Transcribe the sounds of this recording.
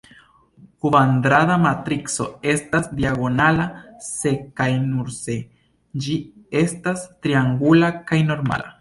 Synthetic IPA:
kuvand̪ɾadamat̪ɾikso̞̰e̞stasdiaɡo̞nalase̞kajnuɾse̞ | d͡ʒie̞stastɾiaŋɡulakajno̞ɾma̰la̰

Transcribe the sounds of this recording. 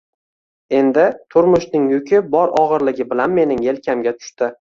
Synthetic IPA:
e̞nd̪ɪt̪ʰʊɾmʊʃnɪŋjʊkʲʰɪbɒɾɒʁɨɾlɪɡʲɪbɪlanme̞nɪŋe̞lkʲʰamɡʲat̪ʰʊ̥ʃt̪ɪ

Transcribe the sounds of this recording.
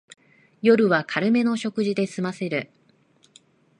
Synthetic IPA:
jo̞ɾɯ̟βakʰaɾɯ̟me̞no̞ɕo̞kɯ̟ʑid̪e̞sɨmase̞ɾɯ̟

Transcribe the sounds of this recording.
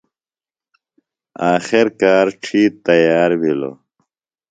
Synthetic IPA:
aːxeɾkaːɾʈ͡ʂʰiːt̪ɐjaːɾwilo̰

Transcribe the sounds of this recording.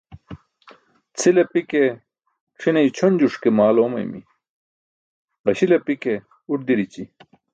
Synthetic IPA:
t͡sʰilepike | ʂʰinɐjt͡ɕʰonʲd͡ʑuʂkemaːloːmɐ̰jmḭ | ʁɐɕilɐpike | uʈ̚d̪iɾit͡ɕi

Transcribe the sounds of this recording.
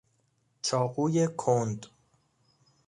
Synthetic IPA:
t͡ʃʰɒːɢuːjekʰond̪

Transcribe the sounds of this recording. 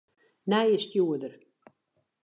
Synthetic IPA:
nɛjəstjuədər

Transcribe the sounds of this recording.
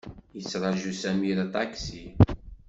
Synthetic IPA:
jət͡sːɾˤɑʒusæmiɾæt̪ˤɑksi

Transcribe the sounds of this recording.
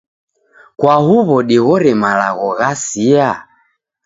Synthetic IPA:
kwahuβɔɗiɣɔɾɛmalaɣɔɣasia

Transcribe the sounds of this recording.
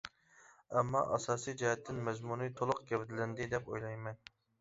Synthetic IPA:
ɛmːɑ̰ʔɑsɑːsijd͡ʒɛhɛt̪ʰːɪnmɛzmunijt̪ʰolˠʊqɡʲɛvɪd̪ɪlɪnd̪ɪd̪ɛpo̰jlˠɑjmɛn

